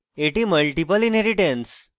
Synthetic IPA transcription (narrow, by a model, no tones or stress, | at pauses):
eʈiməlʈipəlinɦeɾiʈẽns